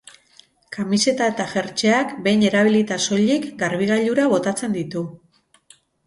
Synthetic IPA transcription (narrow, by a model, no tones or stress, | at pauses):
kamise̞t̪ae̞t̪aʝe̞ɾt͡ʃeakbe̞jne̞ɾaβ̞ilit̪aso̞ʎikɡaɾβ̞iɣ̞aʎuɾaβ̞o̞t̪at͡se̞nd̪it̪u